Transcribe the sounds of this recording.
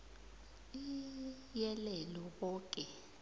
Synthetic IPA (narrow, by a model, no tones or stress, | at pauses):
i | jɛlɛlɔɓɔːkʼɛ